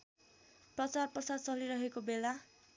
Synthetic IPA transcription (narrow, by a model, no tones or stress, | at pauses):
prʌt͡sarpʌrsad̪t͡sʌliɾʌɦekobela